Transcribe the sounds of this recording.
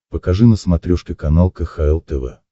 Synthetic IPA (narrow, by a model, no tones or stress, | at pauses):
pəkɐʐɨnəsmɐt̪ɾʲuʂkʲɪkɐnalˠkəxaɛlˠt̪ɛvɛ̰